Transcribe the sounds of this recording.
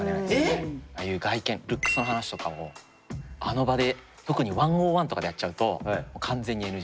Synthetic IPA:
aea | ajɯ̟ːɡaikẽ̞ɾɯ̟kːɯ̟̥sɨnoɦanaɕi̥t̪o̞kao̰ | a̰no̞bad̪e̞ | t̪o̞kɯ̟ɲ̟iβãɰ̃oːβãnt̪o̞kad̪e̞jat̚t͡ɕːaɯ̟t̪o̞moːkʰãnd͡ze̞ɲ̟ːienɯ̟

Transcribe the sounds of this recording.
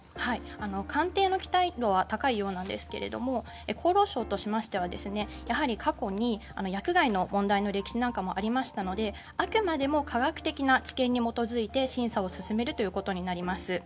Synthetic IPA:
hai | ano̞kʰãnt̪e̞ːno̞kʲi̥t̪aid̪o̞β̞at̪akaijo̞ːnãnd̪e̞̰sɨ̥ke̞̰ɾe̞̰d̪o̞̰mo̞ | ekʰo̞ːɾo̞ːɕo̞ːt̪o̞ɕimaɕi̥t̪e̞β̞ad̪e̞sɨne̞jaɦaɾʲikʰako̞ɲ̟iano̞jakɯ̟ɡaino̞mõ̞nd̪aino̞ɾe̞kʲi̥ɕinãŋkamo̞ʔaɾʲimaɕi̥t̪ano̞d̪e̞ | akɯ̟mad̪e̞mo̞kʰaɡakɯ̟̥t̪e̞kʲinat͡ɕi̥kẽ̞ɲ̟ːimo̞t̪o̞zɨit̪e̞ɕĩɰ̃sao̞sɨsɨme̞ɾɯ̟t̪o̞jɯ̟ko̞t̪o̞ɲ̟inaɾʲimasɨ

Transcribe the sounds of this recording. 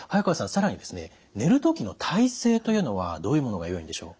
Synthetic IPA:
hajakaasãɰ̃saɾaɲ̟id̪e̞sɨne̞̰ | ne̞ɾɯ̟t̪o̞kʲino̞t̪ʰaise̞ːt̪o̞jɯ̟ːnoβa̰d̪o̞ːjɯ̟mo̞no̞ɡajo̞ḭ̃d̪e̞ɕo̞̰ː

